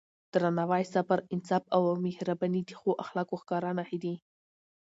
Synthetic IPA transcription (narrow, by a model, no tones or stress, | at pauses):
d̪̥ɾanawɑjsafaɾɪnsɑfawamehɾabanid̪i̥xoʔaxlɑkoxkɑɾɑnahid̪i